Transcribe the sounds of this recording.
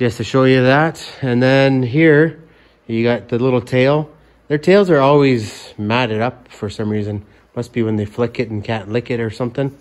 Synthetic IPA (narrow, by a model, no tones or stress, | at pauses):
ɛstʰɨʃoʊjɨðætɨ̃nðɨ̃nɦiɹ | jɨɡɑt̪̚ðɨlɪɾl̩ˠtʰeɪlˠ | ðə˞tʰeɪlˠzə˞ɔlˠwizmæɾɨɾʌpfə˞sʌ̃mɹizɨ̃n | mʌtsb̥iwə̃nðeɪflɪkɨɾn̩kʰæ̃nʔlɪkɨɾə˞sʌ̃mθɪ̃ŋ